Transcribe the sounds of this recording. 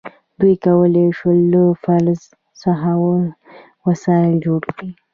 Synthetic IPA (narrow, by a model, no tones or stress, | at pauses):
d̪ujkawəleʃələfalz | saɦawə | wasɑɪld͡ʒoɽkɽi